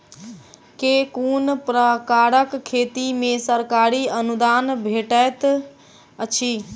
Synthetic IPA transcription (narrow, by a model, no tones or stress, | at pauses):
kekunpɾəkaɾəkkʰːet̪imẽsəɾkaɾiənud̪anbʱeʈət̪ | ət͡ʃʰi